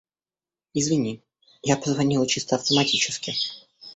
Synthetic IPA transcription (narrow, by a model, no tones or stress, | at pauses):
ɪzvʲɪnʲi | japəzvɐnʲilˠt͡ɕist̪əɐft̪əmɐtʲit͡ɕɪ̥skʲɪ